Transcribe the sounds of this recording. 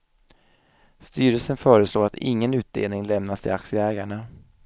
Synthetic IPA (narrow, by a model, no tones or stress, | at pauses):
st̪yːɾəlsənfœːɾəsloːɾat̪ɪŋːənʉ̟ːt̪̚d̪ḛːlnɪŋlɛmnast̪ʰɪ̰laksɪəɛːɡaɳa